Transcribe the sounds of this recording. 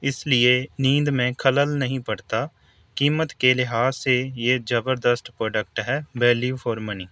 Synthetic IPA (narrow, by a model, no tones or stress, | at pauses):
ɪslɪenĩːd̪mẽkʰələlnɐɦĩpɐɽt̪a | kiːmət̪kelɪɦaːejed͡ʒɐbəɾd̪əsʈpɾoːɖək̚ʈɦɛːbɛːlifʰoːɾməniː